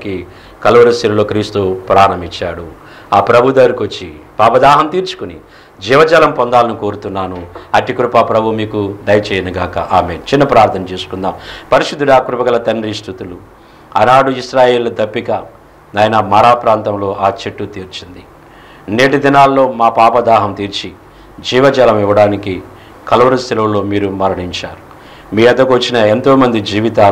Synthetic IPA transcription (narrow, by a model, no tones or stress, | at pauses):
ki | kɐlɐʋɐɾust̪iɾɐlo̞ːkɾiːst̪upɾaːɳɐmit͡ʃːa̰ːɽu | aːpɾɐbʱud̪ɐɾikʋot͡ʃːipaːbɐd̪aːɦɐmt̪iːɾt͡ʃu̥kuni | d͡ʒiːʋɐd͡ʒɐːlɐmpɔnd̪aːlɐnuko̞ːɾut̪unːaːnuɐʈikɾupapɾɐbʱumiːkud̪ɐjɐt͡ʃɛːjɐnɐɡaːkɐ̰ʔaːmḛːnt͡ʃinːɐpɾaːɾt̪ʰɐnɐt͡ʃe̞ːsu̥kund̪aːmpɐɾiʃud̪ːuɽaːkɾupɐɡɐlɐt̪ɐnɾisʈ̪ut̪ulu | ɐ̰naːɽuiʃɾaːje̞ːlɐd̪ɐpːikɐ | nɐjɐnɐmɐɾaːpɾaːnt̪ɐmlo̞ːʔaːt͡ʃeʈːut̪iːɾt͡ʃind̪i | neːʈid̪inaːlːo̞ːmaːpaːpɐd̪aːɦɐmt̪iːɾt͡ʃi | d͡ʒiːʋɐd͡ʒɐːlɐmiʋɐɽaːniki | kɐlɐʋɐɾust̪ʰilɐwlːoːmiːɾumɐɾɐɳiɲt͡ʃaːɾu̥ | miːɐd̪ɐkuʋɐt͡ʃːinɐent̪o̞ːmɐnd̪id͡ʒiːʋit̪aː